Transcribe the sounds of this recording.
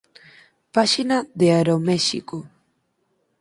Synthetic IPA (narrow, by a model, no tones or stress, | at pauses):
paʃinaðeaɾomeʃḭko